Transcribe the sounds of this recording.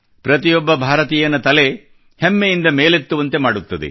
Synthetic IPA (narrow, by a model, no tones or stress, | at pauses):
pɾɐt̪ijɔbːɐbʱaːɾɐt̪iːjɐnɐt̪ɐle | hemːejind̪ɐmeːlet̪ːuʋɐnt̪e̞maːɽut̪ːɐd̪ḛ